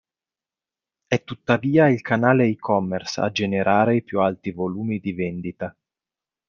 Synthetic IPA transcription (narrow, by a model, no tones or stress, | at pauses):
ɛt̪ːut̪ːaviːailkanaːleikʰɔmːɛrsa̰d͡ʒeneɾʔaːɾeipjualt̪ivoluːmid̪ivɛnd̪it̪a